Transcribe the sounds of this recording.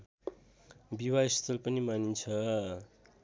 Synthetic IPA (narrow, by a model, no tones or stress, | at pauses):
biwaist̪ʰʌlpʌnimanint͡sʰʌ